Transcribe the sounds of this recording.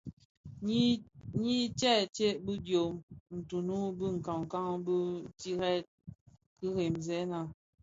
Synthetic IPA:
ɲi˦tɛ˦˨te˦bɨ˦djo˨mn̩˨tu˨nu˦bɨ˦ŋ̩˨ka˨ŋ˨ka˦ŋ˦bə˦ti˦ɾɛ˦t̚ | ki˦ɣe˨mzɛ˦na˨

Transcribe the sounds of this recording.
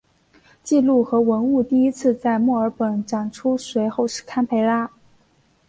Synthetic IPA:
t͡ɕi˥˧lu˥˩xɤ˧˥wə˧˥nu˥˧t̪i˥˩i˥t͡sʰɹ̩˥˧t͡sa˥˧ɪmwɔ˥˩ə˞˧˥pə˨˩nʈ͡ʂɑ˨˩ŋʈ͡ʂʰu˥swe˧˥ɪxo˥˧ʊʂɻ̩˥˩kʰa˥npʰe˧˥ɪla˥

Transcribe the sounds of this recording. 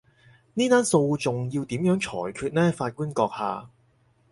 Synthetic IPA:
niː˥t̪aː˥nso˧wt͡sʊ˨ŋjiː˧wt̪iː˨˥mjœː˨˥ŋt͡ʃʰɔ̰ː˨˩jkʰyː˧t̚nɛː˥faː˧t̚kuː˥nkɔː˧k̚haː˨˧

